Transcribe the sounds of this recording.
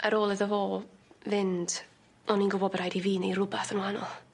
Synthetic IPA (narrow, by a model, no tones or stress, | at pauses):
ʔəɾoːlˠɨðəɦoːvɪnd̥ | ɔninɡʊbɔbərɾajdiviːnejrʊbaθənwanɔ̰lˠ